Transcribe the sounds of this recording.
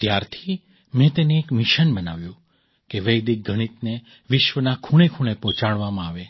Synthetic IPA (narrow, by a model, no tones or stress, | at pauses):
t̪jaɾt̪ʰi | mẽt̪eneːkmiʃənbənaʋjũ | keʋəjd̪ik̚ɡʱəɽ̃it̪ne | ʋɪʃʋənakʰuɽ̃ekʰuɽ̃epɔ̃t͡ʃaɽʋamãaʋe